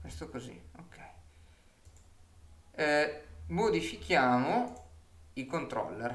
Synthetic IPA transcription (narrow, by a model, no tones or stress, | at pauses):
kwḛst̪okozḭokʰːɛj | mod̪ifikjaːmo | ikont̪ɾɔ̰lːer